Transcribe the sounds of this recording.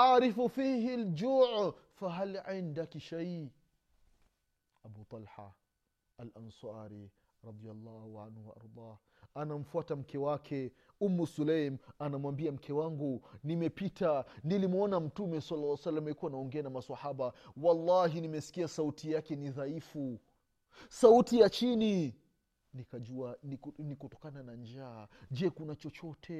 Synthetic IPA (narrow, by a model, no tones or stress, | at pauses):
ʔaʕɾifufiːɦiald͡ʒuʕfaɦalʕindakiʃaj | abut̪ˤɑlħa̰ | alʔansɑːɾi | ɾˤɑd̪ˤialˤːɑːhuʕanhuwaʔɑ̰ɾˤd̪ˤɑː | anam̩fuatam̩kɛwakʰɛ | umːusulajmanamwambiam̩kʰɛwaŋɡunimɛpitanilimɔnam̩tumɛsɑlːlːsalːamɛikuwanaɔŋɡɛanamaswahaɓawɑlːɑɦinimɛsi̥kiasautijakɛniðaifu | sautijat͡ʃini | nikad͡ʒuannikɔtɔkananand͡ʒaːd͡ʒɛkunat͡ʃɔt͡ʃɔtʰɛ